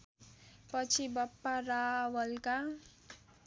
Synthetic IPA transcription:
pʌt͡sʰibʌpːarawʌlka

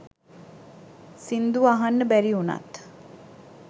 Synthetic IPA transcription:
sind̪uʋaɦanːəbæɾiuna̰t̪

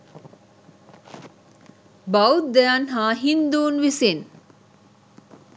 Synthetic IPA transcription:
bawt̪d̪ɛanɦaːɦind̪uːnʋisen

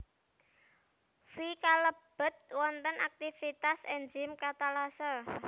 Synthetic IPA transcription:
fikaləb̥ə̤t̪̚wɔnt̪ənʔak̚t̪ifit̪asɛnd͡ʒɪmkat̪alasə

